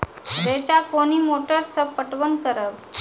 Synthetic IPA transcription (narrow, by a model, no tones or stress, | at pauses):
d̪et͡ɕakoñiːmoʈəɾsəpəʈʋənkəɾəʋ